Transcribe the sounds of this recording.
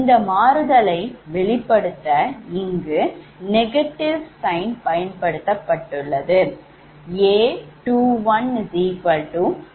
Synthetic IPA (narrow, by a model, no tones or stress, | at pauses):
ɪnd̪ɐmaːɾɯðɐlɐɪʋɛɭɪpːɐɽɯt̪ːɐɪŋɡɯ | nɛɣɐʈːɪʋsɐɪnpɐjɐnpɐɽɯt̪ːɐpːɐʈːɯɭːɐðɯ | eːʈuːʋɐnd͡ʒiːpɐlʈuː